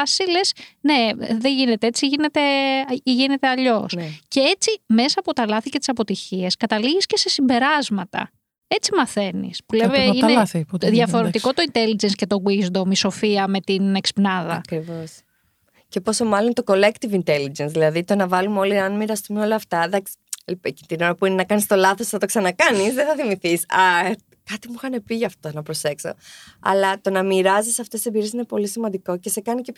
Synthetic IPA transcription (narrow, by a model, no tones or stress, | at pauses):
ɐsile̞sne̞ðeʝine̞t̪eet͡siʝine̞t̪e̞ʝine̞t̪eɐʎo̞sce̞et͡sime̞sɐːpo̞t̪ɐlɐθicet̪isɐpo̞t̪içie̞skɐt̪ɐliɣisce̞se̞simbe̞ɾɐzmɐt̪ɐ̰ | e̞t͡simɐθe̞nḭspuleveinðʝɐfo̞ɾet̪iko̞t̪oint̪e̞lid͡ʒensce̞t̪o̞ɣwizd̪omiso̞fiɐme̞t̪ine̞kspnɐðɐkɾivos | ce̞poso̞mɐlont̪o̞ko̞le̞kt̪ivint̪elid͡ʒensðilɐðit̪o̞nɐvɐlumeo̞liɐnmiɾɐst̪umeo̞lɐːft̪ɐðɐksi̥ecint̪ino̞ɾɐpuinenɐkɐnist̪o̞lɐθo̞sθɐt̪o̞ksɐnɐkɐnisðeθɐθimiθisɐ | kɐt̪imuxɐne̞piʝɐft̪onɐpɾo̞se̞kso̞̰ɐ̰lɐt̪o̞nɐmiɾɐzisɐft̪esebiɾiesinepo̞lisimɐ̃nd̪iko̞ce̞se̞kɐnice